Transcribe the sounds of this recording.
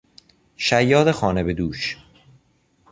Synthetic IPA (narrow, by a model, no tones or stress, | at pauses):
ʃæjːɒːd̪exɒːnebed̪uːʃ